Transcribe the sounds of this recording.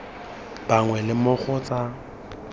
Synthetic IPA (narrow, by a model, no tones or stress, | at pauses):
b̥aŋwɛlɪmʊk͡xʊt͡sʼa